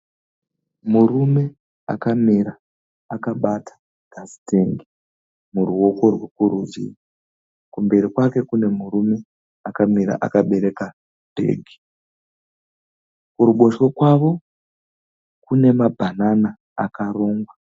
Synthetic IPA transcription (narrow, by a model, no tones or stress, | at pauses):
murume̞ | a̰kamiɾa | akaɓatʰḁ | ɡ̥ʱasi̥teŋɡi | muruwo̞ko̞rwekuɾuʋḭi | kumbe̞ɾikwake̞kune̞murume̞ | akamiɾa̰ʔa̰kaɓe̞ɾe̞ka | dʱe̞̰ːɡʱi̥ | kuɾuɓo̞ʃwokwaʋo̞ | kune̞mabʱananaː | kaɾo̞ːŋɡwa